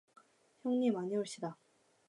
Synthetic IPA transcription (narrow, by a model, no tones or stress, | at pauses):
çjoŋɲimaɲioɭɕ͈ida